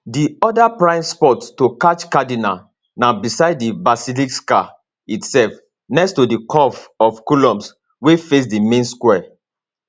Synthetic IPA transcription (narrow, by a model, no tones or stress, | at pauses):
diɔdapɹãɪ̃mspɔttokat͡ʃkadinal | nãbisaɪdːibasilikska | itsɛlf | nɛkstudikʰɔfɔfkulɔ̃ms | wefes̬dimẽnskwɛ